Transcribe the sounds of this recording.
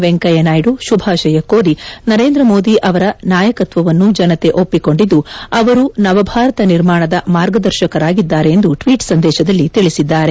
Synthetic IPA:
ʋeŋkɐjɐnaːjɽuʃubʱaːʃɐjɐkoːɾinɐɾe̞ːnd̪ɾɐmo̞ːd̪iʔɐʋɐɾɐnaːjɐkɐt̪ʋɐʋɐnːud͡ʒɐnɐt̪e̞ʔopːiko̞ɳɖid̪ːuɐʋɐɾunɐʋɐbʱaːɾɐt̪ɐniɾmaːɳɐd̪ɐmaːɾɡɐd̪ɐɾʃɐkɐɾaːɡid̪ːaːɾe̞ːnd̪uʈʋiːʈsɐnd̪ɛːʃɐd̪ɐlːit̪iɭisid̪ːaːɾe̞

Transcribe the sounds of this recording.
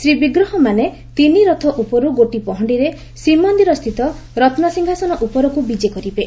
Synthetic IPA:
sɾibiɡɾɔɦɔmane | t̪iniɾɔt̪ʰɔʔupɔɾuɡoʈipɔɦɔɳɖiɾe | sɾimɔnd̪iɾɔst̪ʰit̪ɔ | ɾɔt̪ʰnɔsiŋɡʱasɔnɔʔupɔɾɔkubid͡ʒekɔɾibe

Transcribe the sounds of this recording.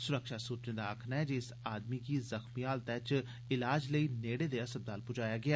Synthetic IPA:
sʊɾəkʃaːsuːt͡ʃnẽːd̪aːəkʰnaːɛːd͡ʒɪsaːd̪miːkiːzəxmiaːlt̪ɛːt͡ʃ | ɪlaːd͡ʒləiːneːɽeːd̪eːəsəb̚d̪aːlpʊd͡ʒaːjaːɡɪaː

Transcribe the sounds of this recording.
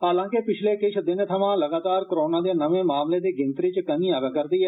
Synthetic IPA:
ɦaːlãːkɪpɪt͡ʃʰleːkɪt͡ʃʰd̪ɪnt̪ʰəʋãːləɡaːt̪aːɾkəɾoːnãːd̪eːnəʋẽːmaːmleːd̪eːɡɪ̃nt̪ɾiːt͡ʃkənĩːaːʋakəɾd̪iːɦɛː

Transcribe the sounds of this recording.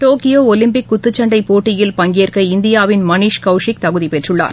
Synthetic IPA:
ʈoːkɪjoːɔlɪmpɪkːʊt̪ːɯt͡ʃːɐɳɖɐɪpoːʈːɪjɪlpɐŋɡeːɾkɐɪnd̪ɪjaːʋɪnmɐniːʂkɐʊʂɪk̚t̪ɐɣɯðipɛʈrɯɭːa̰ːɾ

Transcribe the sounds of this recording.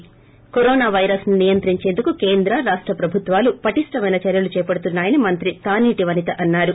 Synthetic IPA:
koɾɔːnaːʋɐjɾɐsninijɐnt̪ɾiɲt͡ʃend̪ukukeːnd̪ɾɐɾaːʂʈɾɐpɾɐbʱut̪ʋaːlupɐʈiʂʈɐmɐjnɐt͡ʃɐɾjɐlut͡ʃɛːpɐɽut̪unːaːjɐnimɐnt̪ɾit̪aːniːʈiʋɐnit̪ɐʔɐnːaːɾu

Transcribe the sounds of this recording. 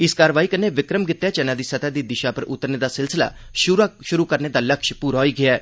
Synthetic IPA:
ɪskaːɾəʋaːiːkənːeːʋɪkɾəmɡɪt̪ːɛːt͡ʃənaːd̪iːsət̪aːd̪iːd̪ɪʃaːpəɾʔʊ̰t̪ːəɾneːd̪aːsɪlsɪla̰ː | ʃʊɾaʃʊɾuːkəɾneːd̪aːləkʃpuːɾaːɦoiːɡɪaː

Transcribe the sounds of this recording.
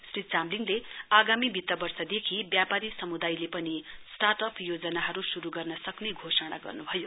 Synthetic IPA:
srit͡samliŋleaɡamibʱit̪ːʌbʌrsʌd̪ekʰibjapaɾisʌmud̪ajlepʌnisʈaʈʌpʰjod͡zʌnaɦʌɾusuɾuɡʌrnʌsʌkneɡʱosʌɽ̃a̰ɡʌ̰rnubʱʌjo

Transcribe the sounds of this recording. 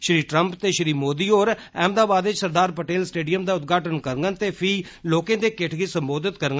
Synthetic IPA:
ʃɾiːʈɾəmpt̪eːʃɾiːmoːd̪iːoːɾɛːmd̪aːbaːd̪ɪt͡ʃsəɾd̪aːɾpəʈeːlsʈeːɖijəmd̪aːʊt̪̚ɡʱaːʈənkəɾŋɡənt̪eːpʰiː | loːkẽːd̪eːkɪʈʰɡiːsəmboːd̪ɪt̪kəɾɡə

